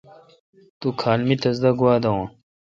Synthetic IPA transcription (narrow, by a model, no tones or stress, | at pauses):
t̪ukʰaːlmit̪ɐzd̪ɐɡwaːd̪ɐwã